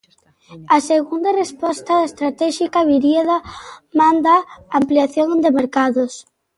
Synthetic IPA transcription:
aseɣund̪ɐrespɔst̪ɐðaest̪ɾat̪ɛʃikaβiɾjeðamand̪aampliaθjoŋd̪emeɾkaðos

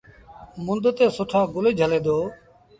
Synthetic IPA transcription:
mʊnd̪t̪eːsʊʈʰaːɡʊleːd͡ʒʱəleːd̪oː

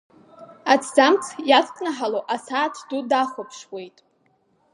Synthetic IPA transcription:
at͡sʰd͡zamt͡sʰjatʰʼkʼnaħaloʔasaːtʰdudaχʷʊpʰʂwe̞jtʼ

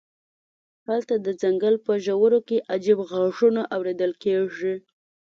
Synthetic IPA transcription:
halt̪ad̪əd͡zaŋɡəlpəʒawəɾokeʔad͡ʒibɣɑʐunaʔawɾed̪əlkeʐi

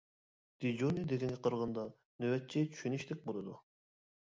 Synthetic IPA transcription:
d̪̥id͡ʒonid̪eɡʲɛnɡʲɛqʰəɾʁɑnd̪ɑ | nøwɛt̪̚t͡ʃʰɛt͡ʃʰy̥ʃynɪʃlɪk̚ʲbolˠɨd̪u

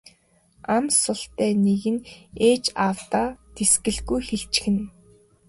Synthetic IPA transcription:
amsʊɬt̪æːneɣɘ̆neːt͡ɕawt̪aːt̪esɡɘ̆ɮɣujxeɬt͡ɕ̆xɘ̆n

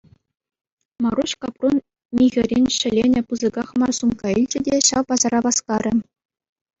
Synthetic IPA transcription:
mɑruɕkɑpron | mʲiɣʲɘ̆rʲenʲɕɘ̆lʲenʲɘ̆pɯzɤ̆ɡɑχmɑrsumkɑilʲd͡ʑɘ̆dʲeɕɑʋpɑzɑrɑʋɑskɑɾʲɘ̆

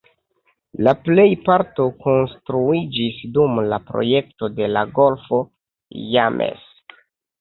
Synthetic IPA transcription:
laple̞jpaɾto̞ko̞nstɾuid͡ʒisdumlapɾo̞̰je̞k̚to̞de̞laɡo̞lfo̞ | jamʔḛs

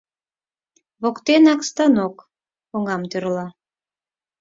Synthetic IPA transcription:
βokt̪enɑkst̪ɑnok | oŋɑmt̪ørlɑ

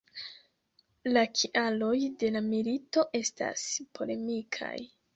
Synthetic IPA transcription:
lakʰiʔalo̞jde̞lamilito̞ʔe̞sta̰spʰo̞le̞mikʰa̰j

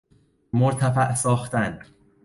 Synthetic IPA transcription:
moɾt̪ʰæfæʔsɒːxt̪æn

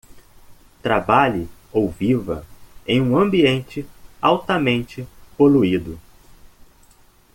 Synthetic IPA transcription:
t̪ɾabaʎɪ | owvivɐ̰ẽj̃ũɐ̃mbiẽnt͡ʃɪawt̪ɐmẽnt͡ʃɪpoluid̪ʊ

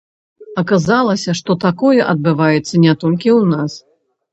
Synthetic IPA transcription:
ɐkazalˠɐsʲɐʂt̪ɔt̪akɔjɛʔɐd̪̚bɨvajɛt̪sːɐnʲɛt̪ɔlʲkʲiwnas

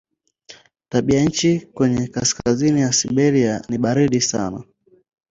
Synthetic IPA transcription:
taɓiaɲ̩t͡ʃikwɛɲɛkaskazinijasiɓɛɾianiɓaɾiɗisa̰na

